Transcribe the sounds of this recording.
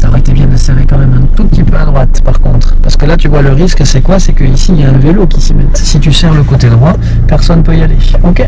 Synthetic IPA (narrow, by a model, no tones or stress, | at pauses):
saʁɛt̪ebjɛ̃d̪əsɛʁmekɑ̃mɛmɛ̃t̪up̚t̪ipad̪ʁwat̪paʁkɔ̃t̪χpaʁsə̥kəlat̪yvwaləʁiskəsɛkwasɛkəisiljaɛ̃velokʲisimɛt̪sit̪ysɛʁləkot̪ed̪ʁwa | pɛʁsɔnːpøijale | okʲe